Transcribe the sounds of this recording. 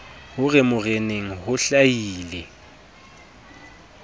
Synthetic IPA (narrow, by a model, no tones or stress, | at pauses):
hʊɣɪmʊreneŋ̩hʊɬajiːlɛ